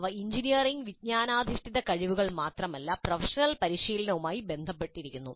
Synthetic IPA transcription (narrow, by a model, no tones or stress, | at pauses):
ʋɐiɲd͡ʑinijɐriŋɡʋid̚ɲaːnaːd̪ʱiʂt̪iðɐkɐɻiʋuɣɐɭmaːt̪rɐmɐlːɐprɐfɐʂɐnɐlpɐɾiɕiːlɐnɐʋumaːjibe̞nd̪ʱɐpːe̞ʈːiɾikʲːunːu